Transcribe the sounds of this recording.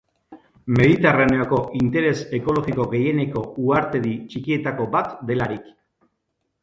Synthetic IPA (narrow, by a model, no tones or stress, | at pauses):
me̞ðit̪eraneoko̞ʔint̪e̞ɾe̞se̞ko̞lo̞ɣiko̞ɣe̞je̞ne̞ko̞uaɾt̪e̞ðit͡ʃikie̞t̪ako̞bat̪d̪e̞laɾik